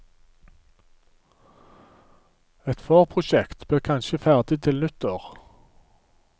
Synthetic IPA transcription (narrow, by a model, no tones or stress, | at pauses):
ɛt̪foːʁpʰʁʊʃɛkt̪b̥eːʁkʰɑnʃəfæʁd̪ɪt̪ʰɪlnʉt̪əʁ